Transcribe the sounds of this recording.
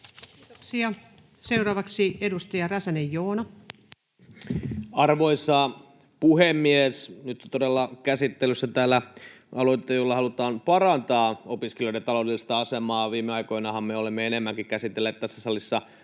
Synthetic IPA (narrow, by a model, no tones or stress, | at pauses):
ksiɑ | se̞uɾɑːʋɑksiedust̪ɑjɑræsænejːoːnɑ | ɑrʋoisɑː | puhemːiesnyt̪ːt̪odelːɑkæsit̪ːelysːæt̪æːlːæ | ɑloit̪ːˑejolːɑhɑlut̪ɑːmpɑrɑnt̪ɑːopiskelioiɾet̪ɑloˑudelːist̪ɑɑsemɑːʋiːmːeɑikoinɑhɑmmeolemːeenemːæŋkikkæsit̪ːelːeːt̪t̪æsːæsɑlisːɑ